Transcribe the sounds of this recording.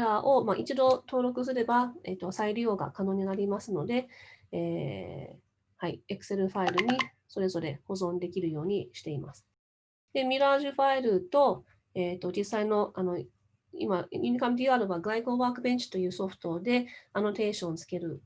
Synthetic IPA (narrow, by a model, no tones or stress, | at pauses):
ɾaʔo̞maʔit͡ɕid̪o̞t̪o̞ːɾo̞kɯ̟s̬ɨɾe̞baḛt̪ːo̞saiɾʲio̞ːɡa̰kano̞ːɲ̟inaɾʲimasɨno̞d̪e̞eː | haiekɯ̟̥se̞ɾɯ̟ɸaiɾɯ̟ɲ̟i | so̞ɾe̞zo̞ɾe̞ho̞zõ̞nd̪e̞kʲiɾɯ̟jo̞ːɲ̟iɕi̥t̪e̞imasɨ̥ | d̪̥e̞mʲiɾaːʑɨɸaiɾɯ̟t̪o̞ | eːt̪o̞d͡ʑisːaino̞ano̞ | ḭmaɲʲiɲʲikamd̪ʲiːaːɾɯ̟βaɡɯaiɡo̞ːbaːkɯ̟beɲt͡ɕi̥t̪o̞jɯ̟ːso̞ɸɯ̟̥t̪o̞d̪e̞ano̞t̪e̞ːɕõ̞nt͡sɨ̥ke̞ɾɯ̟